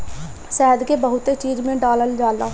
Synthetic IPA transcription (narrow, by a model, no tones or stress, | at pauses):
sɛːəd̪keːbəɦʊt̪eːt͡ʃiːd͡ʒmẽːɖaːləld͡ʒaːlaː